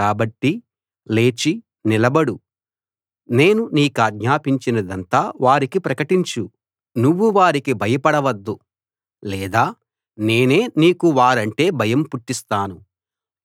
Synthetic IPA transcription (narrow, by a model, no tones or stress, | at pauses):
kaːbɐʈːi | le̞ːt͡ʃi | nilɐbɐɽu | ne̞ːnuniːkaːɡ̪ɲaːpiɲt͡ʃinɐd̪ɐnt̪aːʋaːɾikipɾɐkɐʈiɲt͡ʃu | nuʋːuʋaːɾikibʱɐjɐpɐɽɐʋɐd̪ːu | lɛːd̪aː | ne̞ːne̞ːniːkuʋaːɾɐɳʈe̞ːbʱɐjɐmpuʈːist̪aːnu